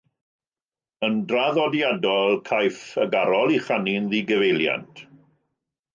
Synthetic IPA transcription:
əndraðɔdjadɔlˠkʰajfəɡaɾɔlˠiχaninðiɡəvejlja̰ntʰ

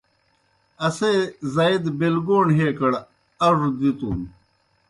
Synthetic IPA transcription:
ɐseːzaːid̪belɡoːɳɦeːkɐɽ | ɐʐd̪it̪ṵːm

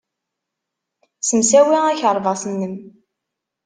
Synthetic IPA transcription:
səmsæwiæçəɾˤvɑsˤənːəm

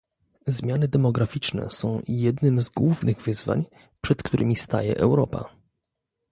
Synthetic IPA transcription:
zmʲjanɘd̪ɛmɔɡɾafʲit͡ʂnɛ̰sɔ̃w̃jɛd̪nɘmzɡwuvnɘɣvɘzva̰ɲ | pʂɛt̪kt̪uɾʔɘ̰mʲist̪a̰jɛ̰ʔɛwɾɔpa̰

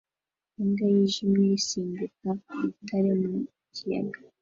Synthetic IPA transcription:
uŋɡajiʒimŋisiːndukamitʰaɾemu | cija̰ɡḁ

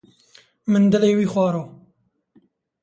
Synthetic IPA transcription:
mɨnd̪ɨleːwiːxwɑːɾoː

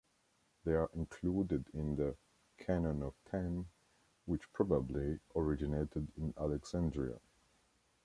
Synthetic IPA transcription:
ðeɪəɹʔɪ̃nkʰl̥uːdɪdɪ̃nðə | kʰænə̃nʌv̥tʰɛ̃n | wɨt͡ʃpʰɹ̥ɑbəbliʔəɹɪd͡ʒɨneɪtɨdɪ̃nælɛksæ̃ndɹiə̰

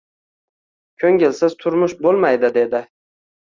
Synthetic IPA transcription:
kʲʰɵŋɡʲɪlsɪzt̪ʰʊɾmʊʃbolˠmajd̪ɪd̪e̞d̪ɪ

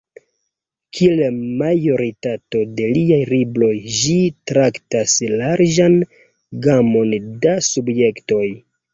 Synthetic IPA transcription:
kʰielemajo̞ɾitato̞de̞liajɾiblo̞jd͡ʒitɾaktaslaɾd͡ʒan | ɡamo̞ndasubje̞kto̞j

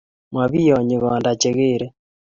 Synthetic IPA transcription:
mwaβijoɲiɣɔːndat͡ʃeɣeːɾe

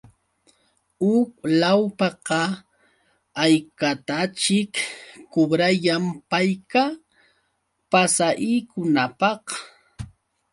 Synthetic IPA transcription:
ʊk̚lawpɑqɑ | ajkat̪at͡ʃɪkkʊbɾajampajka | pasaʔiːkʊnapɑh

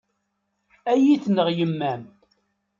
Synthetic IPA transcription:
æjiθnəʁjəmːæm

